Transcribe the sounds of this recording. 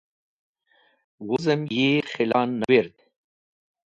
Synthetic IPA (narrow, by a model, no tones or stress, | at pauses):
wʊzəmjeχɪlɑːnːaweɾd̪